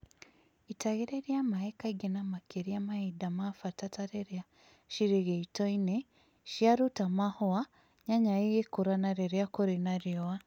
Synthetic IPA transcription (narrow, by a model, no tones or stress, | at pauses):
itaɣeɾeɾjamaekaiɡenamakeɾiamahidamafatataɾeɾea | ʃiɾeɣeitoine | ʃiaɾutamahoa | ɲaɲajeɣekuɾanaɾeɾeakoɾenaɾiowa